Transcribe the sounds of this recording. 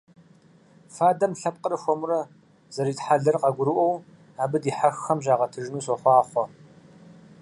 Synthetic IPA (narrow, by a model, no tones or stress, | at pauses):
faːdɐmɬɐp̚qʼərɨxʷɔmʊɾɐ | zɐɾiːtħaɮɐrqɐɡʷʊɾɨʔʷɔw | aːbɨdiːħaxːɐmʑaːʁɐtʰɨʒnuːsɔχʷɑːχʷɔ